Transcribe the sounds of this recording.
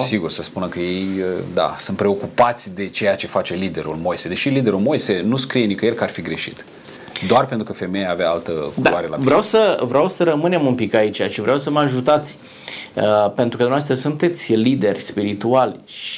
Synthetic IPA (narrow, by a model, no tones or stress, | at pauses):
siɡursəspunəkəje̞jəd̪a̰sɨnt̪̚pɾe̞o̞kupat̪sʲd̪e̞t͡ʃe̞jat͡ʃe̞fat͡ʃe̞lid̪e̞ɾṵlmo̞jsed̪e̞ʃilid̪e̞ɾulmo̞jsenuskɾije̞nikəjelkəarfiɡɾe̞ʃḭt̪ | d̪oarpent̪ɾukəfe̞mejaːveaalt̪əkdualoaɾela̰vɾeawsəvɾeawsəɾəmɨne̞munpikait͡ʃaʃivɾeʔawsəməaʒut̪at̪sʲ | əpe̞nt̪ɾukəd̪umnevast̪ɾəsunt̪e̞t̪sʲlid̪e̞rʲspiɾit̪ualʲʃ